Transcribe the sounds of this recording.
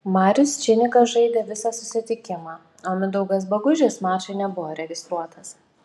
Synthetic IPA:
mɑːɾʲʊst͡ʃʲɪnʲɪkɐsʒɐɪd̪ʲeːʋʲɪsɑːsʊsʲɪt̪ʲɪkʲɪmɑː | oːmʲɪd̪ɐʊɡɐs̬bɐɡʊʒʲeːsmɑːt͡ʃɐɪnʲɛbʊʋoːɾʲɛɡʲɪst̪ɾuɔt̪ɐs

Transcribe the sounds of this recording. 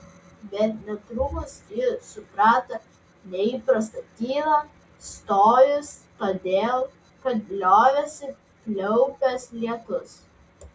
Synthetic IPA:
bʲɛt̪nʲɛt̪ɾʊmʊsjɪɾsʊpɾɑːt̪ɐ | nʲɛiːpɾɐst̪ɐt̪ʲiːɾɐ | st̪oːjʊst̪oːd̪ʲeːlˠ | kɐt̪̚bʲlʲoːʋʲɛsʲɪ | plʲɛʊpʲɛslʲiɛt̪ʊs

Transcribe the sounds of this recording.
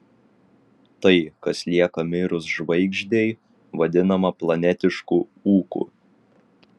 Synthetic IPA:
t̪ɐɪkɐslʲiɛkɐmʲɪɾʊsʒʋɐɪɡʒʲd̪ʲeɪ | ʋɐd̪ʲɪnɐmɐplˠɐnʲɛt̪ʲɪʃkuuːkṵ

